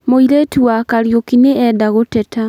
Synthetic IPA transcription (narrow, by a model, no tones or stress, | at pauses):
moiɾetuakaɾjokineɛdaɣotɛta